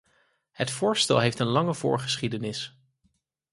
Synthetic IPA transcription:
hətfʊːɹstɛ̰lˠɦejftənlɑŋəv̥ʊ̰ːɹχə̥sχidənɪs

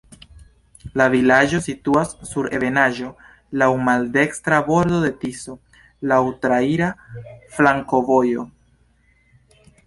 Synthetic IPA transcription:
lavilad͡ʒo̞situasːuɾe̞ve̞naʒo̞ | lawmalde̞kstɾabo̞ɾdo̞de̞tiso̞ | lawtɾaiɾaflaŋko̞vo̞jo̞

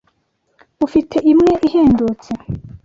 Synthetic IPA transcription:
ufitʰe̞ʔimŋe̞ʔiheːndut͡se

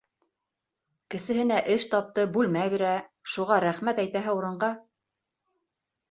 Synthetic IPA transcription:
kɘ̆sɘ̆ɦɘ̆næʔɘʃt̪ɑp̚t̪ɤbʉlmæβiɾæʃuʁɑɾæχmæt̪æjt̪æɦɘuɾɤ̆ɴɢɑ

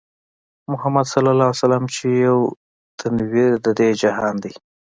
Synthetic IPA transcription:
mʊhamad̪salalasalamt͡ʃejaw | t̪ʰanwid̪əd̪ed͡ʒaɦɑnd̪i

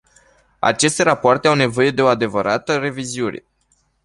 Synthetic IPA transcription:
a̰t͡ʃe̞st̪e̞ɾapoart̪e̞awne̞vo̞je̞d̪e̞oad̪e̞vəɾat̪əre̞viziune̞̰

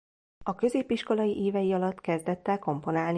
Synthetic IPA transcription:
ɒkø̞zeːpiʃko̞lɒjiʔeːvɛjiɒlɒt̪ːkɛzd̪ɛt̪ːɛko̞mpo̞naːln

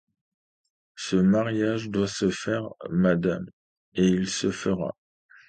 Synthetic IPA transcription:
səmaʁjaʒd̪wasəfɛʁmad̪am | eilsəfəʁa̰

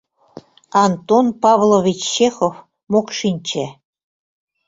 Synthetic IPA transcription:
ɑnt̪onpɑβlˠoβʲit͡ɕːexof | mokʃinʲt͡ɕĕ

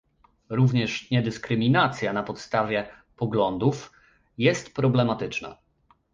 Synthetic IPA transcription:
ɾuvɲɛʂɲɛd̪ɘskɾɘmʲinat̪sʲjanapɔt̪st̪avʲjɛ | pɔɡlɔnd̪uf | jɛst̪pɾɔblɛmat̪ɘt͡ʂna̰

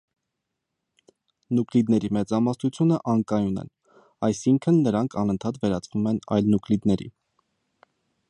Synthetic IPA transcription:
nuklid̪nɛɾimɛt͡sɑmɑsnut͡sʰjunəʔɑŋkɑjunɛ̰n | ɑjsiŋkʰənːəɾɑŋkʰɑnənt̪ʰɑt̪vɛɾɑt͡svumɛnɑ̰jlnuklid̪nɛɾḭ

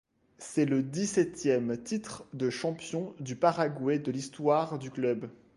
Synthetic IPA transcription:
sɛləd̪isɛt̪jɛmt̪it̪χd̪əʃɑ̃pjɔ̃d̪ypaʁaɡwɛd̪əlist̪waʁd̪yklœb

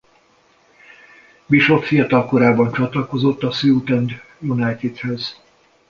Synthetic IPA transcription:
miʃolfijɒt̪ɒlko̞ɾaːbɒnt͡ʃɒt̪lɒko̞zo̞t̪ːɒsyut̪ɛnd̪ | junɛjt̪id̪høz

